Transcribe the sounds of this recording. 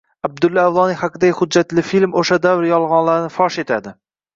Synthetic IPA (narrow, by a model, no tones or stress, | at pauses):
ab̚d̪ʊlːaavlˠɒnihaqɨd̪aɡʲɪhʊd͡ʒːat̪lɪfilmoʃad̪avɾjɒlˠʁɒnlaɾnɪfɒʃet̪ʰad̪ɪ